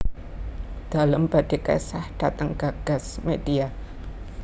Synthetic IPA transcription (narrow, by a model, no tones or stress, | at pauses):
d̥alambad̥eka̰sahd̥at̪aŋɡ̥aɡ̥a̤smedia